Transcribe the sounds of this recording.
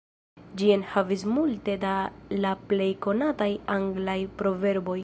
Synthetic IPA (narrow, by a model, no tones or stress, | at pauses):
d͡ʒienhavismulte̞dalaple̞jko̞natajaŋɡlajpɾo̞ve̞ɾbo̞j